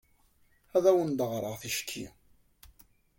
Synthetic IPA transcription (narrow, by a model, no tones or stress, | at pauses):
æðæwənd̪əʁɾˤəʁθiʃkʰːḭ